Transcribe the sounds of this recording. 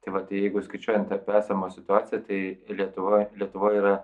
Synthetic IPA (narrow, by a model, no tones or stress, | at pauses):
t̪ɐɪʋɐt̪ɐɪjɛɪɡʊskɐɪt͡ʃʲuɔjɛnt̪t̪ɐpʲæːsɐmoːsʲɪt̪ʊaːtt͡s̪ʲɪjɛt̪ɐɪlʲiɛt̪ʊʋoːlʲiɛt̪ʊʋoːjiːɾɐ